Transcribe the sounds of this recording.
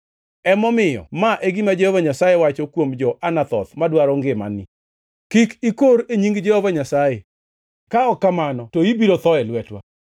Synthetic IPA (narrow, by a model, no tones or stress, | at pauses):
ɛmɔmɪjɔ̰maʔeɡimad͡ʒɛhovaɲasajewat͡ʃɔkwomd͡ʒɔʔanat̪ɔt̪madwaɾɔŋɡɪma̰nɪ | kikikoɾeɲiŋɡd͡ʒɛhovaɲasaje | kaɔkːamanɔtoibiɾot̪ɔɛlwɛtwa̰